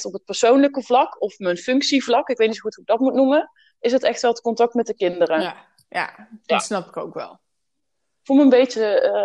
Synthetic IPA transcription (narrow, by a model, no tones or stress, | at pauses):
tɔpət̚pəɹsownləkəvlɑkɔfmənfʏŋksivlɑkɪkʋejtnisouthuɪk̚ɡd̥ɑtmutnumə | ɪsɦətɛxtʋɛlˠtə̥kɔntɑk̚tmɛt̚dəkɪndərə | ja̰dtsnɑpɪ̥kowkʋɛ̰lˠ | fuːməəmbejə